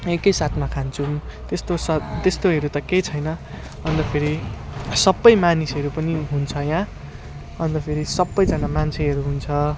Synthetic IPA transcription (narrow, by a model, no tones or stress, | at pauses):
ekʌjsat̪ʰmakʰant͡sʰumt̪est̪osʌt̪est̪oɦʌɾut̪ʌkejt͡sʰʌjnʌ | ʌnd̪ʌpʰeɾisʌbːʌjmanisʌɾupʌniɦunt͡sʰʌjã | ʌnd̪ʌpʰeɾisʌbːʌjd͡zʌnamant͡sʰeɦʌɾuɦunt͡sʰʌ